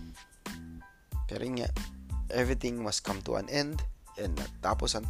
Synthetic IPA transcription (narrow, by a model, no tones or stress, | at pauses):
pɛɾoŋa̰ʔɛvɹit̪ɪ̃ŋmɐskʰʌ̃mt̪ṵʔã̰nʔɛ̃nd̪ɛ̃ndnɐ̰ɡ̚t̪aːpɔsɐn